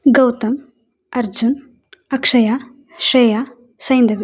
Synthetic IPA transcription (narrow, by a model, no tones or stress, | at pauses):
ɡɐwt̪ɐm | ɐɾd͡ʒun | ɐkʂɐjaː | ʃɾeːjaː | sɐjnd̪ɐʋi